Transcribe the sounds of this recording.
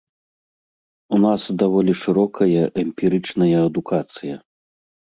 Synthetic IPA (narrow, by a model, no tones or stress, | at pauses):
unasd̪avɔlʲiʂɨɾɔkʰɐjɐʔɛmʲpʲiɾɨt͡ʂnɐjɐɐd̪ukʰat̪sɨjɐ